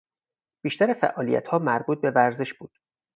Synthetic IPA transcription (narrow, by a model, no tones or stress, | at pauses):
b̥iːʃt̪æɾefæ̰ʔɒːlḭjæ̰t̪hɒːmæɾbuːt̪̚be̞væɾze̞ʃb̥uːd̪̥